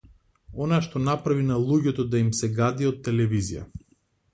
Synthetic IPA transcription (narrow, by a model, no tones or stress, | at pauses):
ɔnaʃt̪ɔnapɾavinalˠuɟɛt̪ɔd̪aimsɛɡad̪iɔt̪ːɛlɛvizija̰